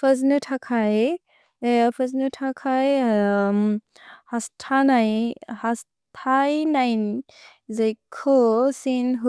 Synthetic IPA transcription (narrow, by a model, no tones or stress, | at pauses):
pʰəznutʰakʰaj | pʰəznutʰakʰajm | hastʰanajhas | tʰajnajn | zajkʰosinɦu